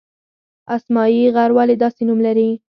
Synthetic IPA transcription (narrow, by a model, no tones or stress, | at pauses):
asmɑjiɣaɾwaled̪ɑsenumlaɾi